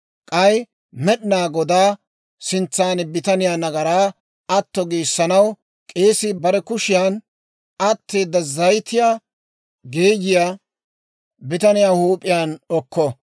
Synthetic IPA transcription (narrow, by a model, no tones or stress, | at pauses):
kʼɐj | mɛɗɪnaːɡɔd̪aː | sɪnt͡sːaːnɪbɪt̪ɐnɪjaːnɐɡɐɾaː | ɐt̪ːɔɡiːsːɐnɐw | kʼe̞ːsɪbɐɾɛkʊʃɪjaːn | ɐt̪ːe̞ːd̪ːɐzɐjt̪ɪjaː | ɡeːɡɪja | bɪt̪ɐnɪjaːhuːpʼːɪjaːnɔkːɔ